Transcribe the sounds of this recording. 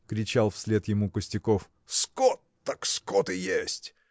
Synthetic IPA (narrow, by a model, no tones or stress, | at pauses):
kɾʲɪt͡ɕalˠfsʲlʲe̞t̪jɪmukəsʲtʲɪkof | skɔt̪ːakskɔt̪ɨjesʲtʲ